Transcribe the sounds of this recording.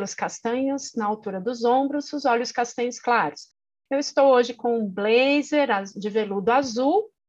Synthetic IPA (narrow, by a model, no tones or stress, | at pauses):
lʊskast̪ɐ̃ɲʊznɐawt̪uɾɐd̪ʊzõbɾʊzʊzɔʎjʊskast̪ɐ̃ɲʊsklaɾʊs | ewɪst̪owoʒɪkõblejzeɾad͡ʒɪvelud̪ʊazuw